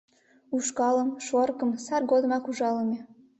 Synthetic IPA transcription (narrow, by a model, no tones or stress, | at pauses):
uʃkɑləmʃorkəmsɑrɡod̪ə̆mɑkuʒɑləme